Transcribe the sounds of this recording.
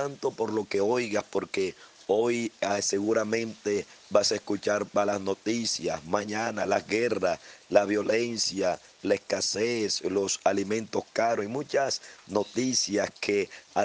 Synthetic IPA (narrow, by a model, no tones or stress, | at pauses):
ant̪o̞po̞ɾlo̞ke̞ojɣaspo̞ɾke̞ | o̞jse̞ɣuɾamẽ̞nt̪e̞βasaeskut͡ʃaɾbalasno̞t̪isjasmãɲãnalazɡe̞raslaβjo̞le̞nsja | le̞skaseslo̞salimẽ̞nt̪o̞skaɾosimũt͡ʃasno̞t̪isjaskʰea